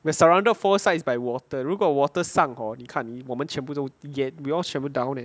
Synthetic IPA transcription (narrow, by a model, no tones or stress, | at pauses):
wiasəɹãw̃ndətfɔsaɪsbajwɔtəɹiɡɔwɔtəsãŋhɔnikʰãniwɔmə̃nt͡ʃʰɛ̃mbusoiɡɛt̚wiɔlt͡ʃɛ̃mbudãw̃nɛ̃